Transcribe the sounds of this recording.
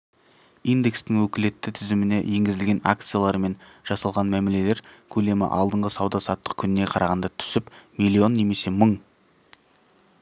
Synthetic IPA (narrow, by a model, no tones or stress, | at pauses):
ijnd̪e̞kst̪ɪŋwɵkʲɪle̞t̪ːɪt̪ʰɪzɪmɪne̞̰je̞ŋɡʲɪzɪlɡʲe̞na̰k̚t̪sɨjalˠɑɾme̞nʒ̥ɑsɑlˠʁɑnmæmele̞le̞ɾkʲʰɵle̞mɪ̰ʔɑ̰lˠd̪əɴʁəsɑwd̪ɑsɑt̪ːəq̚kʲʰʏnɪne̞qʰɑɾɑʁɑnd̪ɑt̪ʰʏ̥sɪpmilʲˠːio̞nːe̞me̞se̞məɴ